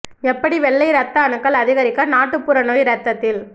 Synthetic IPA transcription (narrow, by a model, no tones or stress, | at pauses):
ɛpːɐɽiʋɛɭːɐɪɾɐt̪ːɐɐnɯkːɐɭɐðɪɣɐɾɪkːɐnaːʈːɯpːʊɾɐnojɾɐt̪ːɐt̪ːɪl